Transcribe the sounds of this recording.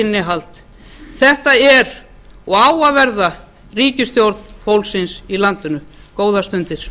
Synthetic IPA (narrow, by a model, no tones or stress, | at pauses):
ɪnːɪɦalt̪ | θɛht̪aɛɾ | ɔɣaːwavɛɾða | riːcɪst̪jowɾt̪n̥powlsɪnsilant̪ʏnʏ | koːwðast̪ʏnt̪ɪɾ̥